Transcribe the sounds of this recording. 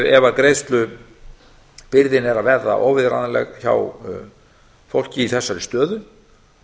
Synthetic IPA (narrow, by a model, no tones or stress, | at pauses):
ɛvaðkɾejst̪lʏ | pɪɾðɪnɛɾavɛɾða̰ʔɔːwvɪðɾanalɛ̰ɣça̰w | fowl̥cɪiθɛsːaɾɪst̪œːðʏn